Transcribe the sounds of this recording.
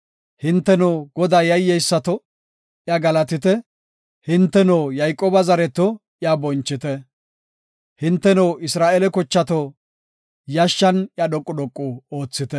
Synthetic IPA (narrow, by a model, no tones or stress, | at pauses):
hɪnt̪ːɛnoːɡɔd̪aːjɐjːɛjsːɐt̪ɔ | jɐɡɐlɐt̪ɪt̪ɛ | hɪnt̪ːɛnoːjɐjkʼoːbɐzɐɾɛt̪ɔ | ɪjabɔnt͡ʃːɪt̪ɛ | hɪnt̪ːɛnoːʔɪsɾaːʔɛlɛkɔt͡ʃːɐt̪ɔ | jɐʃːɐnjɐd̪ɔkʼːʊd̪ɔkʼːʊoːt͡sːɪt̪ɛ